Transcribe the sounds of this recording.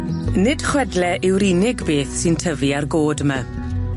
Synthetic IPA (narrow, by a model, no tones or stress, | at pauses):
nɪd̥χwɛdlɛʔɪwɾiːnɪɡbeːθsɨntʰəviarɡoːdəma